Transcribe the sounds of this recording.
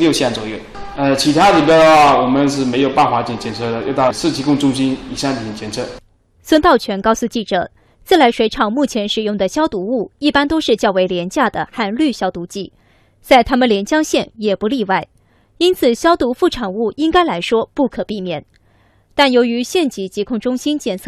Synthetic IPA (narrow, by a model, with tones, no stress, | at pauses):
ljo˥˧ʊɕjɛ˥˩nt͡swɔ˨˩jo˥˩ʊ | ə˧t͡ɕʰi˧˥t̪ʰa˥li˨˩pjɑ˥d̪ə˧˩xwa˥˩wɔ˨˩mə˦nʂ̬ɻ̩˥˩me˧˥ɪjo˨˩ʊpa˥˩nxwa˧˥t͡ɕɛ˧˩nt͡ɕjɛ˧˥nt͡sʰɤ˥˩d̪ə˩jo˥˧ʊt̪ɑ˥˩ʂɹ̩˥˩t͡ɕʰi˧˥kʊ˥˧ŋʈ͡ʂʊ˥ŋɕi˥ni˨˩ɕja˥˧nʰ˥˩ɛ˨˩nt͡ɕjɛ˧˥nt͡sʰɤ˥˩ | swə˥nt̪ɑ˥˩ʊt͡ɕʰɥɛ˧˥nkɑ˥˧ʊsu˥˧t͡ɕi˥˩ʈ͡ʂɤ̰˨˩˦ | t͡sɹ̩˥˩la˧˥ɪʂwe˧˥ɪʈ͡ʂʰɑ˨˩ŋmu˥˩t͡ɕʰjɛ˧˥nʂɻ̩˨˩jʊ˥˩ŋd̪ə˩ɕjɑ˥ʊt̪u˧˥u˥˩i˥˩pa˥nt̪o˥ʊʂɻ̩˥˧t͡ɕjɑ˥˩ʊwe˧˥ɪljɛ˧˥nt͡ɕja˥˩d̪ə˩xa˥˧nly˥˩ɕjɑ˥ʊt̪u˧˥t͡ɕi˥˩ | t͡sa˥˩ɪt̪ʰa˥mə˨nljɛ˧˥nt͡ɕjɑ˥ŋɕjɛ˥˩njɛ˨˩pu˧˥li˥˧wa˥˩ɪ | i˥nt͡sʰɹ̩˨˩ɕjɑ˥ʊt̪u˧˥fu˥˩ʈ͡ʂʰɑ˨˩ŋu˥˩i˥ŋka˥ɪla˧˥ɪʂwɔ˥pu˥˩kʰɤ˨˩pi˥˩mjɛ˨˩˦n | t̪a˥˩njo˧˥ʊy˧˥ɕjɛ˥˩nt͡ɕi˧˥t͡ɕi˧˥kʰʊ˥˩ŋʈ͡ʂʊ˥ŋɕi˥nt͡ɕjɛ˥˨˩nt͡sʰɤ˥˩